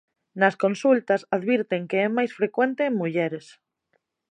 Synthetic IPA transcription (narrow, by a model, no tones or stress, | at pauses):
naskõ̞nsult̪asaðβiɾt̪eŋkeemajsfɾekwent̪emːuʝeɾes